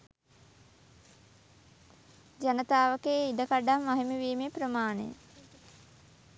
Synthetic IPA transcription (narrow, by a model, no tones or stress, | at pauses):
d͡ʒanət̪aːʋəkeːid̪əkaɖamʋaɦimiʋiːmeprəmaːnḛj̰